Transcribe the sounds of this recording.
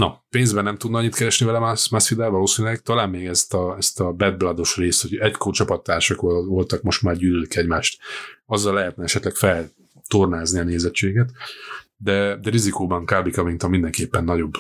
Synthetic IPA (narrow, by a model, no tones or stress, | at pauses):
nɒpeːnzbɛnɛmt̪ud̪nɒɒɲːit̪kɛɾɛʃnivɛlɛmasmasfid̪ɛːlvɒloːsiːnilɛɡ̚t̪ɒlaːmːeːɡɛst̪ɒɛst̪ɒbɛd̪̚blad̪o̞ʃreːst̪hoɟɛckort͡ʃɒpɒt̪ːaːrʃɒkvo̞lt̪ɒkmo̞ʃt̪maːrɟyːlølikɛɟmaːʃt̪ɒzːɒlːɛɦɛt̪nɛɛʃɛt̪lɛkfɛl | t̪ornaːzniɒneːzɛt͡ʃːeːɡɛt̪d̪ɛd̪ɛɾizikoːbɒŋkaːbikɒmint̪ɒmind̪ɛŋkeːpːɛnːɒɟo̞b